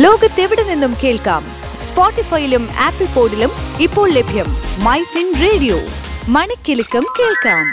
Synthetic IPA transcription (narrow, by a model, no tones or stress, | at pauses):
lo̞ːɡɐt̪ːe̞ʋiɽɐnenːumke̞ːɭka̰ːm | spoːʈːifɐjiluma̰ːpːɐlpo̞ːɖilumipːo̞ːɭlebʱjɐmːɐjsinreːɽijo̰ː | mɐɳɐkʲːilikːɐmke̞ːɭkaːm